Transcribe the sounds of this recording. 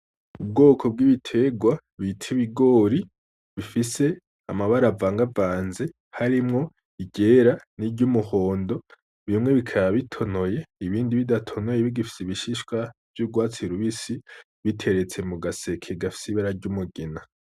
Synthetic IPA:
ub̚ɡo̞ːkʰo̞b̚ɡiβitʰe̞ɡwa | βitʰiβiɡo̞ːɾi | βifise̞ | a̰maβaɾavaːŋɡavaːnze̞ | haɾimŋo̞ | iɟe̞ɾaniɟumuho̞ːndo̞ | βimŋe̞βikʰaβaβitʰono̞je̞iβiːndiβidatʰo̞nojeβiɡifi̥siβiʃiʃkwav̥juɡwaːt͡siɾuβisi | βitʰe̞ɾe̞t͡se̞muɡase̞kʰeɡafi̥siβaɾaɾɟumuɡina

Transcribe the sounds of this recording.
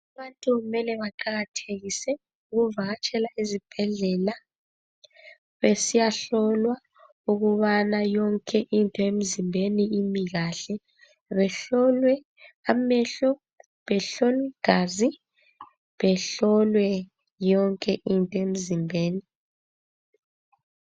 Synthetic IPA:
aβantʼuɣumɛlɛβaǃaɣatʰeɣisɛ | uɣuvaɣat͡ʃʰʼɛlaizib̥ʱɛɮɛla | βesijaɬɔlwa | uɣuβanajɔŋkʼʰɛʔintʼɔem̩zimbʱeniimiɣaɬɛ | βɛɬɔlwɛ | amɛɬɔ | βɛɬɔlwiɡ̥ʱaːzi | βɛɬɔlwɛ | jɔŋkʼɛʔintʼɔem̩zimbʱeːni

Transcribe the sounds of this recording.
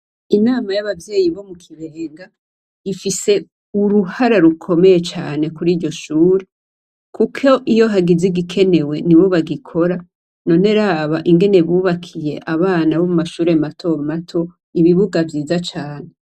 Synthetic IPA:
inaːmajaβavje̞ːjiβo̞mukʰiβe̞ːŋɡa | ifise | uɾuhaɾaɾukʰo̞me̞je̞t͡ʃaːne̞kuɾiːɾɟo̞ʃuːɾe | kukʰoʔijo̞ɦaɡiziɡikʰe̞ne̞we̞niβo̞βaɡikʰo̞ɾa | no̞ːne̞ɾaːβaʔiŋɡe̞ne̞βuːβakʰije̞̰ʔaβaːnaβo̞mumaʃuːɾematʰo̞matʰo̞ | iβiβuɡavjiːzat͡ʃaːne

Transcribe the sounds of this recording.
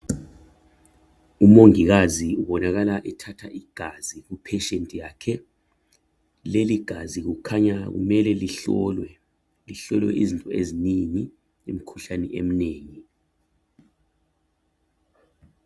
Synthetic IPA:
umoŋik̬aziuɓɔnak̬alaʔɛtʰatʰaʔiɡ̥ʱazik̬upʰɛʃentʼijakʰɛ | leliɡ̥ʱazik̬ukʰaɲak̬ṵmɛlɛliɬɔlwɛ | liɬɔlwɛ̰ʔizintʼɔeziniŋi | ḛmikʰuɬanɛ̰ʔem̩neːŋi

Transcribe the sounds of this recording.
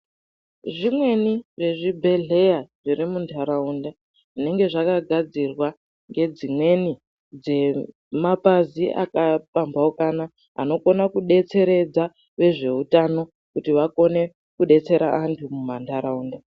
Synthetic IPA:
ʐimwe̞niʐe̞ʐibʱe̞ɮe̞jaʐ̥irimundʰaɾaunda | ʐine̞ŋɡe̞ʐakaɡʱad͡zirwa | ŋɡe̞d͡zimwe̞ni | d͡ze̞ | mapaziʔa̰kapambaokana | a̰no̞ko̞nakuɗe̞t͡se̞ɾe̞d͡za | ʋe̞ʐe̞utano̞ | kutiʋako̞ne̞ | kuɗe̞t͡se̞ɾa̰ʔantʰumumantʰaɾauːnda

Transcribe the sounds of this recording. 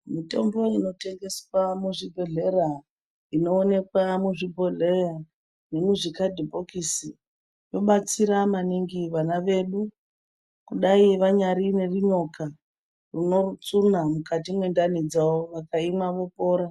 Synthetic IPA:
mito̞mbo̞ino̞te̞ŋɡe̞swamuʐibʱo̞ɮe̞ra | ino̞ːne̞kwamuʐibʱo̞ɮera | ne̞muʐikadʱibʱokisi | jo̞ɓat͡siɾamaniŋɡiʋanaʋe̞ɗu | kuɗaiʋaɲaɾine̞riɲo̞ka | runo̞rut͡sunamukatimwe̞ndanid͡zaoʋakaimwaʋo̞po̞ːɾa

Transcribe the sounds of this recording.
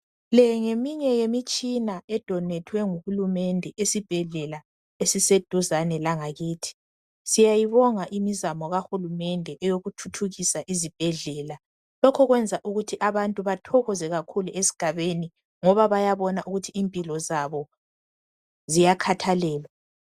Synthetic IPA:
lɛŋemiɲɛjemit͡ʃʼinaɛd̥ʱɔnɛtʰwɛŋuhulumɛndʱɛʔesib̥ʱɛɮɛla | esised̥ʱuzanɛlaŋaɣiːtʰi̥ | sijajiβɔŋaʔimizamɔɣaxulumɛndʱɛʔɛjoɣutʰutʰuɣisaʔizib̥ʱɛɮɛːla | lɔkʰɔɣwɛnd͡zʱaʔuɣutʰiʔaβantʼuβatʰɔɣɔzɛɣakʰuluʔesi̥ɡ̥ʱaβeni | ŋɔβaβajaβɔnaʔuɣutʰiiːmpʼilɔzaβɔ | zijakʰatʰalɛːlwa

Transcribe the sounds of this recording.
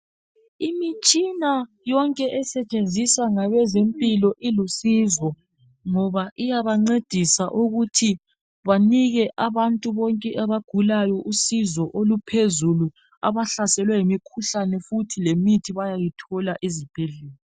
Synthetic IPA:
imit͡ʃʼina | jɔŋkʼɛʔɛsɛt͡ʃʼend͡zʱisaŋaβɛzempʼilɔʔilusizɔ | ŋɔβaʔijaβaŋ͡ǀed̥ʱisaʔuɣutʰi | βaniɣɛʔaβantʼuβɔŋkʼɛʔaβaɡ̥ʱulajɔʔusizɔʔolupʰezulu | a̰βaɬasɛlwɛjimikʰuɬanɛfutʰilemitʰiβajajitʰɔlaʔizib̥ʱeɮɛːlɔ

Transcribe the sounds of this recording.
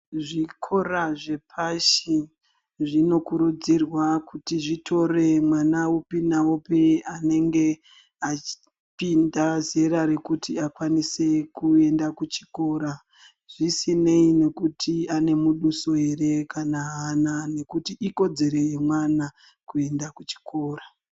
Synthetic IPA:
ʐikʰo̞raʐe̞pʰaʃi | ʐino̞kuɾud͡zirwakutiʐitʰo̞re̞mwanaupinawopeane̞ŋɡe̞ | ai̥ | pindazeɾaɾe̞kutiakwanise̞kue̞ndakut͡ʃi̥ko̞ːɾa | ʐ̥isine̞ine̞kutʰiane̞muɗuso̞e̞ɾe̞kanaɦanane̞kutiʔiko̞d͡ze̞ɾe̞jemwana | kue̞ndakut͡ʃi̥ko̞ːra

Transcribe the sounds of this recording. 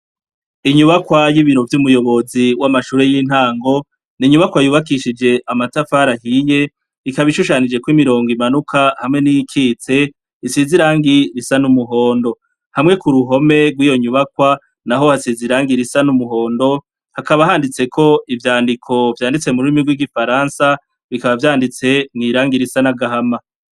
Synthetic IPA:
iɲuβakwajiβiɾo̞vjumujo̞βo̞ziwamaʃuːɾe̞jiːn̥haːŋɡo̞ | niɲuβakwajuːβakiʃid͡ʒe̞ʔamatafaɾahije̞ | ikaβiʃuʃanid͡ʒe̞kwimiɾo̞ːŋɡimanukʰahamŋe̞nijikʰit͡se̞ | isiziɾaːŋɡiɾisanumuɦo̞ːndo̞ | hamŋe̞kuɾuɦo̞me̞ɡwiːjo̞ɲuβakwa | naɦo̞hasiziɾaːŋɡiɾisanumuɦo̞ːndo̞ | hakaβaɦaːndit͡se̞kʰo̞ivjaːndikʰo̞vjaːndit͡se̞muɾuimiɡwiɡifaɾansa | βikaβavjaːndit͡se̞ŋiːɾaːŋɡiɾisanaɡaɦama

